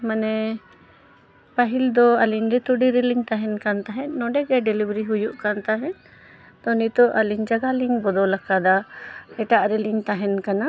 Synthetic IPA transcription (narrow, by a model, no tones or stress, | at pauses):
manɛ | paɦild̪ɔaliɲɾɛt̪uɖiɾɛliŋt̪aɦɛnkant̪aɦɛt̪̚nɔɖɛɡɛɖɛlibɾiɦujuʔkant̪aɦɛ̃n | t̪ɔnit̪ɔʔaliɲd͡ʒaɡaliŋbɔd̪ɔlakad̪aɛʈaʔɾɛliŋt̪aɦɛnkana